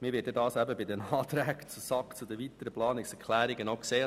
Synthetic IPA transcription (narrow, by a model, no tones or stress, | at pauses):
mɪːɾʋɪːt̚dɛdɑːsæbəbɪd̪ənɑːt̪ɾæɡt͡susɑkt͡sud̪ɛʋit̪əɾəplɑːnɪksɛkʰlæːɾɪɡənokseː